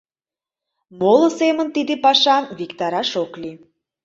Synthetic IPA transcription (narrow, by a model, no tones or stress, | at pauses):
molə̆semə̆nt̪id̪epɑʃɑmvikt̪ɑɾɑʃokli